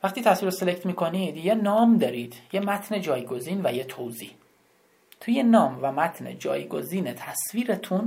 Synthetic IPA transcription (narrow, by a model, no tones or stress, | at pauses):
væχt̪iːt̪ʰæsviːɾoselect̪ʰmiːkʰonid̪jenɒːmd̪ɒːɾiːd̪̥jemæt̪ʰned͡ʒɒːjɡoziːnvæjet̪ʰowzḭː | t̪ʰuje̞nɒːmvæmæt̪ʰne̞̰d͡ʒɒ̰ːjɡoziːnet̪ʰæsviːɾet̪ʰun